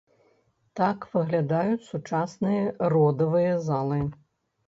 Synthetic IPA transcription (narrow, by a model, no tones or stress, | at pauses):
t̪akvɨɣlʲad̪ajut͡sʲsut͡ʂasnɨjɐrɔd̪ɐvɨjɐzalˠɨ